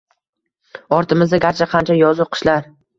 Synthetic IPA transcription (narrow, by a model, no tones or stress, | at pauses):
ɒɾt̪ʰɪmɪzd̪aɡʲaɾt͡ʃʰaqʰɑnt͡ʃʰajɒzʊqʰɨ̥ʃlaɾ